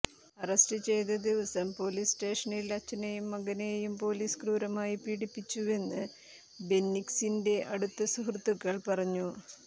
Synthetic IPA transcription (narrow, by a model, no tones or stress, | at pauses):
ɐrɐstɨt͡ɕe̞jt̪̬ɐd̪iʋɐsɐmpo̞ːliːsʈe̞ːʂɐniilɐt͡ɕːɐnejumːɐɡɐnejjumpo̞ːliːskruːɾɐmaːjipiːɽipːit͡ɕːue̞nːɨ | be̞nːiksinde̞ʔɐɽut̪ːɐsuɦrt̪ːuɣːɐɭpɐrɐɲːu